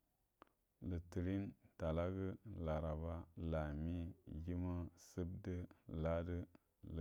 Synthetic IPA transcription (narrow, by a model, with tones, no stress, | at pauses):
lə˨ti˨ɾi˦nta˨la˦ɡə˦la˨ɾa˨ba˦la˨mi˦ji˦ma˦sɨ˦b̚də˦la˦də˦ | lɨ˨